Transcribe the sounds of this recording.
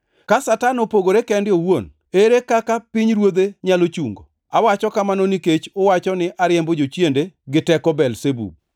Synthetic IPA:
kasatanopoɡoɾekɛndɪowon | eɾekakapɪɲɾwod̪eɲalot͡ʃuŋɡo | awat͡ʃɔkamanoniket͡ʃʊwat͡ʃɔnɪʔaɾjɛmbod͡ʒot͡ʃjendeɡɪtɛkɔbɛlsebṵ

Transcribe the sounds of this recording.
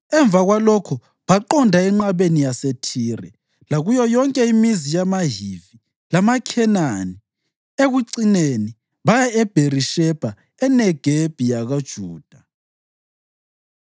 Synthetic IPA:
ɛɱb̪vʱaɣwalɔkʰu | βaǃɔndʱaɛŋ͡ǃaβenijasetʰiːrɛ | laɣujɔjɔŋkʼɛimizijamaɦivi | lamakʰɛnani | eɣuǀineni | βajaɛb̥ʱeriʃɛb̥ʱa | ɛnɛɡ̥ʱeb̥ʱijaɣad̥ʒ̥ʱuːd̥ʱa

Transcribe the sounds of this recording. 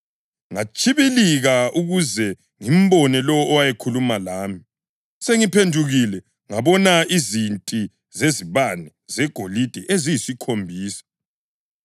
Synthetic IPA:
ŋat͡ʃʰʼiβiliɣauɣuzɛ | ŋim̩bɔnɛlɔːwajɛkʰulumalaːmi | seŋipʰendʱuɣilɛ | ŋaβɔnaizintʼi | zeziβanɛ | z̥ɛɡ̥ʱolid̥ʱɛʔezijisikʰombʱiːsḁ

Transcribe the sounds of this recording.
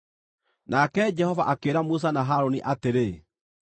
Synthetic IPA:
nakɛd͡ʒɛhɔvaʔakeɾamus̬anaɦaɾoniʔateɾe

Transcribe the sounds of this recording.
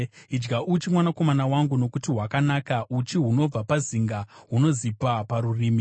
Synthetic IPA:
id͡ʒɡaʔut͡ʃimwanako̞manawaŋɡuno̞kutiɦwakanaːkaʔut͡ʃiɦuno̞b͡vapaziŋɡaɦuno̞zipapaɾuriːmi

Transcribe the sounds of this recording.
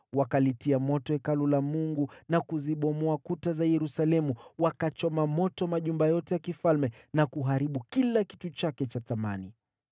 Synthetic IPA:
wakalitiamɔtɔɛkalulamuŋɡunakuziɓɔmɔakutazajɛɾusalɛmuwakat͡ʃɔmamɔtɔmaʄumbajɔtɛjakifalmɛnakuɦaɾiɓukilaki̥tut͡ʃakɛt͡ʃaθama̰ni

